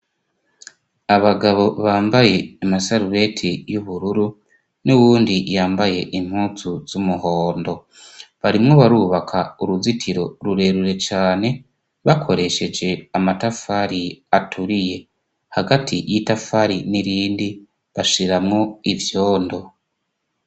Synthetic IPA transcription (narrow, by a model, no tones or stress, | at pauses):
aβaɡaβo̞βaːmbaje̞ːmasaɾuβe̞tʰijuβuɾuɾu | nuwuːndijaːmbaje̞ʔim̥huːt͡suz̥umuho̞ːndo̞ | βaɾimŋo̞βaɾuβakʰauɾuzitʰiɾo̞ɾuɾe̞ːɾuɾe̞t͡ʃaːne̞ | βakʰo̞ɾe̞ʃe̞d͡ʒe̞amatafaɾiatʰuɾije̞ | haɡatʰijitafaɾiniɾiːndi | βaʃiɾamŋo̞ivjo̞ːndo̞